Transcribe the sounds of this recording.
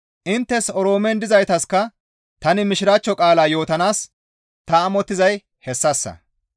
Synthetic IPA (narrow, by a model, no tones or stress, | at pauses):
ʔɪnt̪ːɛsɔɾo̞ːmɛnd̪ɪzɐjt̪ɐskːɐ | t̪ɐnɪmɪʃɪɾaːt͡ʃːɔkʼaːlaːjo̞ːt̪ɐnaːs | t̪ɐːmɔt̪ːɪzɐj | hɛsːɐsːɐ̰